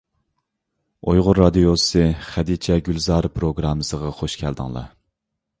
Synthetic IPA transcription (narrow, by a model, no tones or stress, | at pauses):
ojʁʊɾːɑd̪ijosɨχæd̪it͡ʃʰɛɡʲylzɑːɾɨpɾoɡɾɑmːɨsəʁɑχoʃkʲʰæld̪ɨ̰ŋlˠɑ̰